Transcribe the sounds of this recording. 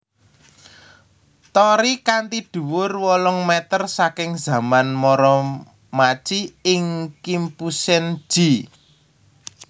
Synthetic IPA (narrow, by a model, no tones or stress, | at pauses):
t̪ɔɾikant̪iɖ̥ṳwʊrwɔlɔŋmɛt̪ərsakɪŋza̤manmɔɾɔ | mat͡ʃiɪŋkimpusɛn̥ʒ̥i